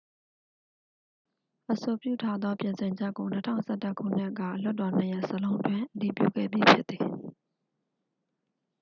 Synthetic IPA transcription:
ʔəso˨pjṵ˦˨tʰa˦d̪ðwɔ˦pjɪ̃˨nsɪ̃˨ɲd͡ʑɛ˦ʔko˨nə˦tʰã̰˦˨ʊ̃nsʰɛ˦˨tə˦kʰṵ˦˨n̥ɪ˦kä̰˦˨l̥ʊ˦tːɔ˨n̥ə˨jɛ˦˨ʔsəlõ˦ʊ̃ntwɪ̃˦˨ʔəti˨pjṵ˦˨ɡɛ̰˦˨bji˦pʰjɪ˦t̪t̪ːi˨

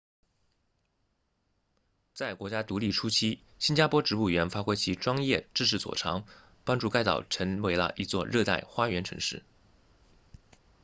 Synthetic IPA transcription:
t͡sa˥˩ɪkwɔ˧˥t͡ɕja˥t̪u˧˥li˥˩ʈ͡ʂʰu˥t͡ɕʰi˥ | ɕi˥nt͡ɕja˥pʰwɔ˥ʈ͡ʂɻ̩˧˥u˥˩ɥɛ˧˥nfa˥kwe˥ɪt͡ɕʰi˧˥ʈ͡ʂwɑ˥ŋjɛ˥˧ʈ͡ʂɻ̩˥˧ʂɻ̩˥˩t͡swɔ̰˨˩ʈ͡ʂʰɑ˧˥ŋ | pɑ˥ŋʈ͡ʂu˥˧ka˥ɪt̪ɑ˨˩ʊʈ͡ʂʰə˧˥ŋwe˧˥ɪlə̰˧ʔi˧˥t͡swɔ̰˥˧ɻɤ˥˧t̪a̰˥˩ɪxwa˥ɥɛ˧˥nʈ͡ʂʰɤ̰˧˥ŋʂɻ̩˥˩

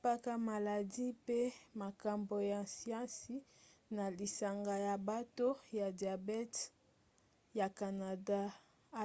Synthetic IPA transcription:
pa˦ka˦ma˨la˨di˦pe˦ma˨ka˨mbo˨ja˨si˦ã˦si˨na˨li˨sa˨ŋɡa˨ja˨ba˦to˦ja˨dja˨bɛ˦t | ja˨ka˨na˨da˦˨

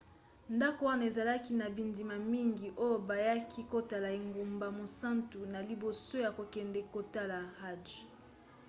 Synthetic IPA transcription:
nda˦ko˨wa˦na˨e˨za˨la˦ki˦na˨bi˨ndi˨ma˨mi˦ŋɡi˨ʔo˦jo˨ba˨ja˦kʰi˦ko˦ta˨la˨e˨ŋɡo˨mba˨mo˨sa˦ntu˨na˨li˨bo˨so˦ja˨ko˨kɛ˨ndɛ˨ko˨ta˦la˨ha˦d͡ʒ

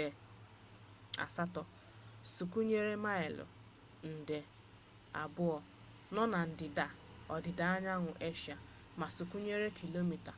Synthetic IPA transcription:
a̰˨sa˦tɔ˨ | su˨ku˦ɲe˦ɾe˦ma˦ɪ˨lʊ̰˨ | n̩˨de˨ | a̰˨bʊ˦ɔ˨ | nɔ˦na˨n̩˨dɪ˨da˨ | ɔ˨dɪ˨da˨a˦ɲa˦ŋʷʊ˨ʔe˦ʃa˨ | ma˨su˨ku˦ɲe˦ɾe˦kʰi˨lo˦mi˨ta˨

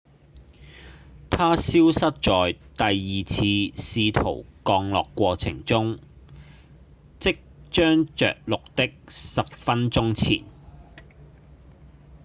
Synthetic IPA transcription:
t̪ʰaː˥siː˥wsɐ˥t̚t͡ʃɔː˨jt̪ɐ˨jːiː˨t͡sʰiː˧siː˧t̪ʰo˨˩wkɔː˧ŋlɔ̰ː˨kːʷɔː˧t͡sʰɪ̰˨˩ŋt͡sʊ˥ŋ | t͡sɪ˥k̚t͡ʃœː˥ŋt͡ʃœ̰ː˨k̚lʊ˨k̚t̪ɪ˥k̚sɐ˨p̚fɐ˥nt͡ʃʊ˥ŋt͡sʰḭː˨˩n

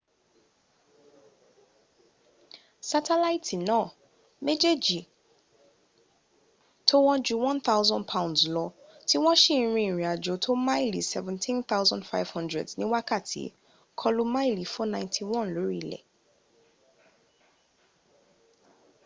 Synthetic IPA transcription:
sa˧tʰɛ˦la˦i˦tʰi˨nãː˦˨ | me˦d͡ʒe˦d͡ʒi˨ | tʰo˦wɔ̃˦d͡ʒu˦wɔ̃˦nt̪a˦wzɔ̃˦npʰa˦ũndzlɔ˧ | ti˦w̃ɔ̃˦ʃĩ˦˨ɾ̃ĩ˧ĩ˨ɾĩ˨a˨d͡ʒo˨˦tʰo˦mã˦i˦˨lḭ˨sɛ˨vɛ̃˨ntʰĩ˦nθa˦wzɔ̃˦ndfa˦jv̥hɔ̃˦ndɹɛ̰˨dnĩ˨˦wa˦ka˦˨tʰḭ˨˦ | kʰɔ˦lu˦mã˦i˦˨li˨˦fɔ˦nã˦j̃ntʰi˨wɔ̃˦˨nlo˨˦ɾi˦˨lɛ̰˨

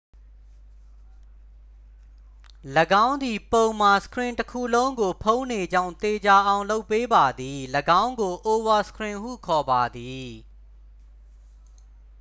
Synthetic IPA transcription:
ləɡã˦ʊ̃nd̪i˨põ˨ʊ̃ma˨sə̥kʰɹɪ̃˨ntəkʰṵ˦˨lõ˦ʊ̃ŋɡo˨pʰõ˦ʊ̃ne˨d͡ʑã̰˦˨nt̪e˨d͡ʑa˨ʔã˨ʊ̃lo˦ʊpːe˦ba˨d̪i˨ləɡã˦ʊ̃ŋɡo˨ʔo˨wa˦˨sə̥kʰɹɪ̃˨ɦṵ˦˨kʰɔ˨ba˨d̪i˨

